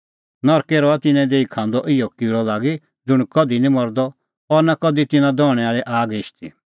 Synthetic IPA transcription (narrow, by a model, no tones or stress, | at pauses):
nɔɾkeɾɔat̪ɪnɛ̃d̪eːikʰãːnd̪ɔʔɪjɔkiɭɔlaːɡi | d͡zʊɽ̃kɔd̪inĩmɔɾd̪ɔ | ɔɾnakɔd̪it̪ɪnãd̪ɔːɽ̃ɛaːɭɛʔaːɡɪʃt̪ḭ